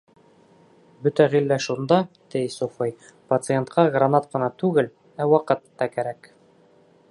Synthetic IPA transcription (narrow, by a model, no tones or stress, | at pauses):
bɵt̪æʁilːæʃund̪ɑ | t̪æjsofɤj | pɐt̪sɨent̪qʰɑɡrɐnɑt̪̚qɤ̆nɑt̪ʉɡɘl | æwɑqɤ̆t̪ːɑkæɾæk